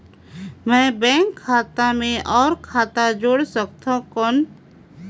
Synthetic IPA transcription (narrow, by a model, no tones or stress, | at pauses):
mɛ̃ːbɛ̃ːŋkʰːaːt̪amẽʔɔːɾkʰaːt̪ad͡ʒoːɽsək̚t̪ʰõkɔn